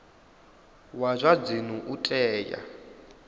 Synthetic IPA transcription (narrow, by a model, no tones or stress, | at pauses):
wazʷab͡ʐinuʔutʼɛːja̰